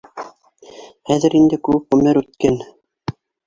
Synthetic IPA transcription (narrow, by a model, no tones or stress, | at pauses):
χæðɘ̆ɾind̪ɘkʉwɘpʁɵ̆mɘɾʉt̪̚kæn